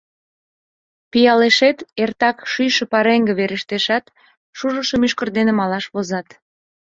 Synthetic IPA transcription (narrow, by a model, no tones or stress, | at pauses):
pijɑleʃet̪ert̪ɑkʃyjʃəpɑɾeŋɡeβeɾəʃt̪eʃɑt̪ | ʃuʒəʃəmyʃkərd̪enemɑlɑʃβozɑt̪